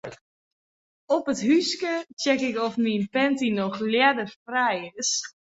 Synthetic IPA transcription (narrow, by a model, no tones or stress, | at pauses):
ɔpətɦyskət͡ʃɛkɪkɔfminpɛntinɔxljɛdərfrɛjɪs